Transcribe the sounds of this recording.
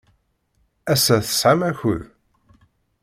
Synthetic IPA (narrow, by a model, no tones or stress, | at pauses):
æsæθə̥sʕamæçə̰ð